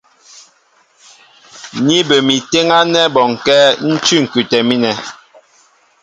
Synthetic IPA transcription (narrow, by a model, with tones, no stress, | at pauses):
ni˦bə˨mi˨te˦ŋa˦nɛ˦bɔ˨ŋkɛ˦n̩˦tʉ˦ŋ̩˨kʉ˨tɛ˨mi˦nɛ˨